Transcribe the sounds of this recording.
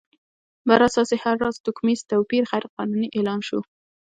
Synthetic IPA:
bəɾasɑsehaɾːɑzt̪ʊkmizt̪awpiɾxajɾqɑnuniʔelɑnʃu

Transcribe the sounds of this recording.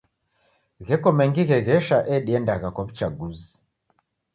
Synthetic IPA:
ɣɛkɔmɛŋɡiɣɛɣɛʃaʔɛɗiɛndaɣakwaβit͡ʃaɡuzi̥

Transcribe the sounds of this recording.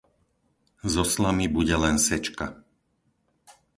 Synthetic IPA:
zɔslamibuɟɛlɛnsɛt͡ʃka

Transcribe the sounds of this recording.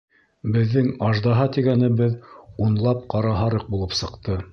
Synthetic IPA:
bɘ̆ðːɘŋɑʒd̪ɑɦɑt̪iɡænɘ̆bɘðunlˠɑp̚qɑɾɑɦɑɾɤq̚bulˠɤpsɤ̆qt̪ɤ

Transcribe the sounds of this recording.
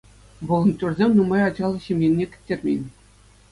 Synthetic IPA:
ʋɤ̆lˠɤ̆nt̪ʲurzʲemʲnumɑjɑd͡ʑɑlˠɤ̆ɕĭmʲjenʲːekʲɘ̥̆tʲːerʲmʲḛnʲ

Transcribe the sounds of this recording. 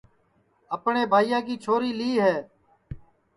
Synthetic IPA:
əpɳeːbʱaːijãːkiːt͡ʃʰoːɾiːliːɦɛː

